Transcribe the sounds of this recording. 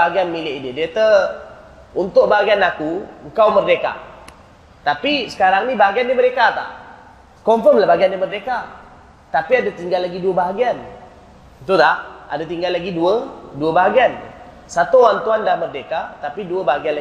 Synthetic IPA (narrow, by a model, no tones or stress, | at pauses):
aaɡianmilɪʔidiədiat̪ə | unt̪ʊʔ̚baɦaɡianakuəŋkawmərdeka̰ | t̪apisə̥kaɾaŋnibaɦaɡiandimədekat̪a̰ʔ | kɔmfəmlahbaɦaɡiandimərdeka | t̪apiadat̪iŋɡalːaɡiduəbaɦaɡian | it̪ut̪aʔa̰dat̪iŋɡalːaɡiduəduəbaɦaɡian | sat̪uwant̪uandahmərdekat̪apiduəbaɦaɡianla